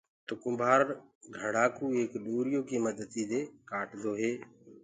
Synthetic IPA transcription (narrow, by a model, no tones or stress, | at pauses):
t̪ʊkʊmbʱaːɾɡʱəɽ̤aːkuːeːkɗ̪oːɾijoːkiːməd̪ət̪iːd̪eːkaːʈd̪oːɦeː